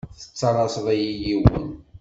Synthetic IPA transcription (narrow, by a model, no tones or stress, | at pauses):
θə̥t͡sːɑɾˤɑsðˤæjijiwə̰n